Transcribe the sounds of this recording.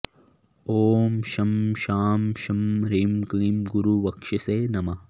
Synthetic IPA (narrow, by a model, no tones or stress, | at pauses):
oːmʃɐmʃaːmʃɐmɾiːmklimɡuɾuʋɐkʃɐseːnɐma